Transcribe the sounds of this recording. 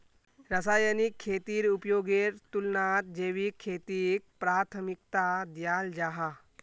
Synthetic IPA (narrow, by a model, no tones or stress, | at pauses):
ɾɐsaːjənikʰːeːt̪iːɾupjoːɡeɾt̪ulnat̪̚d͡ʒeːʋikʰːeːt̪ik̚pɾaːɾt̪ʰəmikt̪ad̪jaːld͡ʒaːɦa